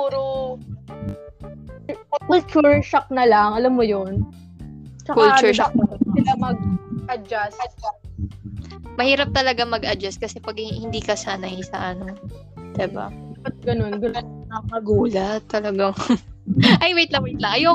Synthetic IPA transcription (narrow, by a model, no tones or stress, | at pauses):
puːɾo | kʊkʊlt͡ʃuɹʃɐk̚nɐlɐŋɐlamːojon | t͡ʃakʊlt͡ʃuɹʃak̪̚ɐsɪlamɐɡ̚ʔɐd͡ʒast͡ʃa | mɐhiːɾɐp̚t̪ɐlɐɡamɐɡɐd͡ʒɐst̚kɐsɛpɐɡhɪnd̪iːkɐsaːnɐɪsɐ̰ʔɐno | d̪̥ɪba̰d̪apat̪̚ɡɐno̞nɡɐnonnɐŋmɐɡuːlɐt̪ːɐlɐɡaŋ | ʔɐjmɛjt̪lɐwɛt̪lɐŋʔɐjo